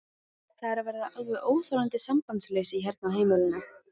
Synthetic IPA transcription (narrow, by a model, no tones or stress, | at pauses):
θaðɾaɾvɛɾðaalvɛðoːwθɔɾant̪ɪsamkanslejsɪiɦɛɾt̪̚naɦeːjmɪlɪnːʏ